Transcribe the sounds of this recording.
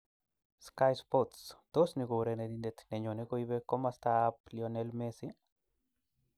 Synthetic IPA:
skajspo˦t̪sd̪̥o˦sni˧ɡo˨wɾe˧ne˧ni˧nd̪e˧t̪ne˨ɲo˨ne˦ɡo˧jβe˧ko˦ma˧st̪a˧pljo˧ne˧lme˧si˦

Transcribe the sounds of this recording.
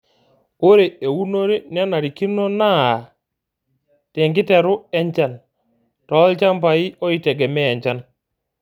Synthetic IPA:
o˦ɾe˨e˨wu˦no˦ɾe˦n˦a˦na˨ɾi˨ki˦no˦na˦˨ | te˨ŋɡi˦te˨ɾʊ˦ɛ˦ɲt͡ʃa˦n | tɔ˨˦lt͡ʃa˦mpa˨i˦ʔɔ˦i˦˨te˨ɡɛ˨mɛː˦˨ɲt͡ʃa˦n

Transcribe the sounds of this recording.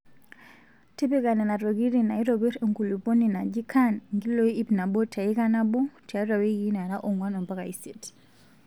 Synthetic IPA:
ti˦bi˦ka˨nɛ˨na˨ɾo˨ɡi˦ɾina˨i˦ɾo˨bi˦ɾe˨ŋɡu˨lu˨po˦ni˨na˨d͡ʒi˦kʰanŋɡi˦lo˦˨i˦i˦bna˨bo˦tʰa˨i˦ka˦na˦bo˦tʰa˨˦ɾa˨wi˦ɡi˦na˨ɾa˦ʔo˨ŋwa˦nɔ˨mba˦ka˨i˦se˨t

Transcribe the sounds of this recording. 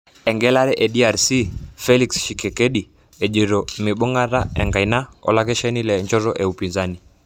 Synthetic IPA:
ɛ˨ŋɡɛla˦ɾɛ˦ʔɛ˨dia˨ɾsi˦fɛliksʃikɛ˨kɛ˦ɗi | ɛ˨ʄi˨ɾɔmi˨ɓɔ˦ŋɡa˦ɾaɛ̰˨ŋɡa˨jna˦ɔ̰˨lakɛʃɛ˦nilɛɲd͡ʒɔ˦ɾɔ˦ʔɛupinzani˨

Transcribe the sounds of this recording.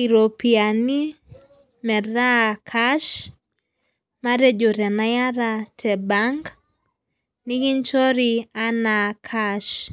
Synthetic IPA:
i˨ɾo˨piani˦ | mɛ˨ða˦kʰaʃ | ma˦ɾe˦d͡ʒo˨ɾa˨naja˦ɾatʰɛ˨baŋɡ | nɪ˦ɡi˦nt͡ʃɔ˦ɾia˦nakʰaʃ

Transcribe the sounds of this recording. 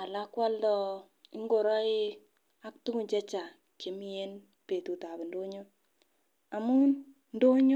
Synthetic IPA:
a˨la˦kwa˦ldɔ˦ | ɪ˦ŋɡo˨ɾa˦i˦ | a˦k̚tu˦ŋu˨ɲd͡ʒɛ˦t͡ʃa˨ | ke˨mi˦e˦n | pe˨tu˨ta˨be˨ndo˦ɲo˦ | a˨mu˦ | ndo˦ɲo˦

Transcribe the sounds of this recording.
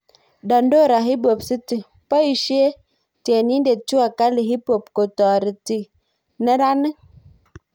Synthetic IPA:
da˨ndo˦˨ɾa˨ɦi˦bo˨psi˦ti˨ | pa˦i˨ʃi˦e˦ | te˨ni˦nde˨tu˦a˨ka˦li˨ɦi˦po˨p̚ko˨tɔ˨ɾi˨ti˨ | nə˦ɾa˦nə˦

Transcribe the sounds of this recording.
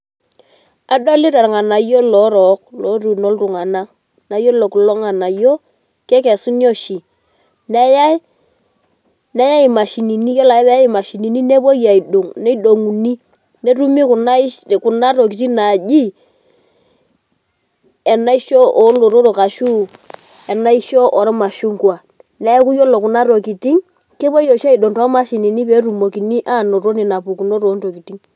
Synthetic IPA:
a˦do˦li˦ɾa˨ɾŋa˨na˨jo˦lo˨˦ɾɔ˨˦k̚lo˨˦ɾu˨no˦lɾu˨ŋa˨na˦ | na˨jo˦lo˨klo˦ŋa˨na˨jo˦ | kɛ˦kɛ˨su˦no˦ʃi˨ | ne˦ja˦ | ne˦ja˦i˨ma˨ʃi˨ni˨ni˦jo˦la˨i˦βɛ˦i˦ma˨ʃi˨ni˨ni˦ne˦bo˦ja˨i˨ɗo˨ŋne˦ɗo˨ŋu˨ni˦ | ne˦ɾu˦mi˦ku˨na˦˨ku˨na˦ɾo˨k̬i˨ti˦na˨d͡ʒi˦ | ɛ˨na˦i˦ʃo˦ʔɔ˨˦lo˨ɾo˦ɾo˨ka˨ʃu˦ | ɛ˨na˦i˦ʃo˦ʔɔ˨ɾma˨ʃu˦ŋkwa˨ | nɛ˦ku˦jo˦lo˨ku˨na˦ɾo˨ki˨ti˦ŋ | ke˦bo˦jo˨ʃa˦i˨ɗo˨ŋtɔ˦ma˦ʃi˨ni˨ni˦pe˨˦ɾu˨mo˨ki˨ni˦ʔa˦˨no˨ɾo˦ni˨na˨pu˨ku˨no˦ɾo˨˦nto˨ki˨ti˦ŋ

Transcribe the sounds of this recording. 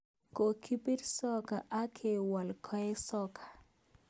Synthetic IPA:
ko˨kʰi˦pi˦ɾsɔ˦ka˨ʔa˦kʰe˨wa˨lkʰɔ˦jɛ˦sɔ˦kʰḁ˨

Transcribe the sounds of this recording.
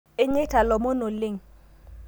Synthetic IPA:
ɪ˦ɲɪ˦ta˨lɔ˨mo˦no˨lɪ˦˨ŋ

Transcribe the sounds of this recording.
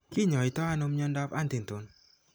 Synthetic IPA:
ki˦˨ɲɔ˨i˨t̪ɔ˦a˧no˧mɲɔ˧ndɔ˧pa˦nt̪i˨nt̪o˨n

